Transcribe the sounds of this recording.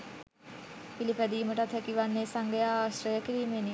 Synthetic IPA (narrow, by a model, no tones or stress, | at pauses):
pilipæd̪iːməʈəat̪ʰəkiʋanːesaŋɡəjaaːsɾəjəkiɾiːmeːni